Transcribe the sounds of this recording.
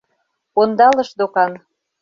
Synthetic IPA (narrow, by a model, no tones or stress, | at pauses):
ond̪ɑlɤ̆ʃd̪okɑn